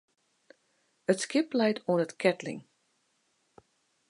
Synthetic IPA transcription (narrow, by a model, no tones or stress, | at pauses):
ətskɪplɛjtʰoənətkʰɛtlɪ̰ŋ